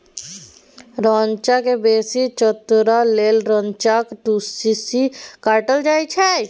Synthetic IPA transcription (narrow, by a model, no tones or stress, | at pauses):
ɾãːɲt͡ʃakebeːsit͡ʃət̪ɾaleːlɾə̃ɲt͡ʃakʈusisikaːɾʈəld͡ʒaːit͡ʃʰɛ